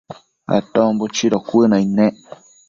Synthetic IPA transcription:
a̰t̪ɔ̃mbut͡ʃiɾɔkʷɨnãinɛ̃ʔ

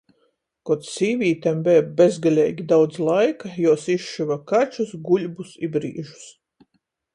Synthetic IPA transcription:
kɔt̪ssiːvʲiːt̪ɛmbɛːbbʲezɡalʲɛːɡʲid̪awd̪zlˠajkajɔɔsiʃʃivakat͡ʃusɡulʲbusibɾḭːʒu̥s

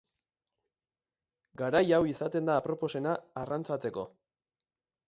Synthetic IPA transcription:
ɡaɾajawisat̪e̞nd̪aːpɾo̞po̞se̞naːrant͡sat͡se̞ko̞

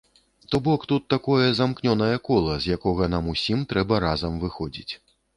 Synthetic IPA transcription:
t̪ɔbɔkt̪ut̪ːakɔjɛzamknʲɔnɐjɐkɔlˠɐzʲjakɔɣɐn̪amusʲimt̪ɾɛbɐɾazɐmvɨxɔd͡zʲit͡sʲ

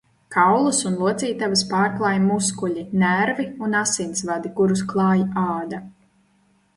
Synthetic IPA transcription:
kawlˠusunlˠuɔt̪siːt̪avaspaːɾklˠaːjmuskuʎinæɾviunasinsvad̪ikuɾusklˠɑːjaːd̪a

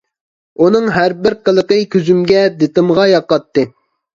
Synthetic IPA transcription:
unɨŋɦæɾbɪɾqəlˠəqəkʲyzymɡʲɛd̪et̪ɨmʁɑjɑqːɑt̪ːɨ

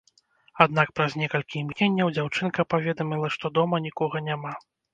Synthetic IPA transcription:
ad̪̚nakpɾazʲnʲɛkɐlʲkʲimknʲenʲːɐwd͡zʲawt͡ʂɨnkɐpavʲɛd̪ɐmʲilˠɐʂt̪ɔd̪ɔmɐnʲikɔɣɐnʲama

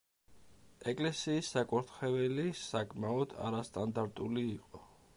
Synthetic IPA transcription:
ɛkʼlɛsiːsːakʼɔɾt̪ʰχɛvɛlisakʼmaɔd̪̥a̰ɾast̪ʼand̪aɾt̪ʼuliːqʼɔ

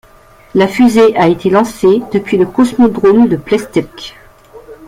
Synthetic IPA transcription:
lafyzeʔaet̪elɑ̃sed̪̥əpɥiləkɔsmɔd̪ʁold̪əplɛst̪ɛk

